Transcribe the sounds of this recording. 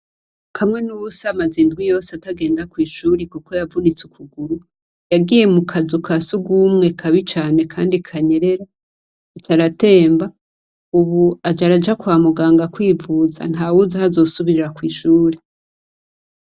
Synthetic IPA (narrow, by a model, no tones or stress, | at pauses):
kamŋe̞nuβusamazindɡwijo̞ːsataɡe̞ːndakwiːʃuːɾekuko̞javunit͡sukʰuɡuɾu | jaɡije̞mukʰazukʰasuɡumŋe̞kʰaβit͡ʃaːne̞kʰaːndikʰaɲe̞ɾe̞ɾa | it͡ʃaɾate̞ːmba | uβuad͡ʒaɾad͡ʒakwaːmuɡaːŋɡakwiːvuza̰n̥haːwuzahazo̞ːsuβiɾɾakwiːʃuːɾe